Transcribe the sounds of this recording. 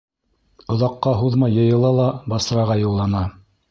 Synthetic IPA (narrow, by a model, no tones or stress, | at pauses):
ŏðɑqːɑɦuðmɑjːɤ̆jɤ̆lˠɑlˠɑbɑs̆ɾɑʁɑjɤ̆lˠːɑnɑ